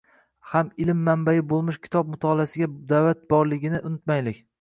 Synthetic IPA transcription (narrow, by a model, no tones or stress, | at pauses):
hamɪlɪmːambajɪbolˠmɪʃkʲʰɪ̥t̪ʰɒb̚mʊt̪ʰɒlasɪɡʲad̪avat̪̚bɒɾlˠɪɡʲɪnɪʔʊnɪt̪majlɪkʲ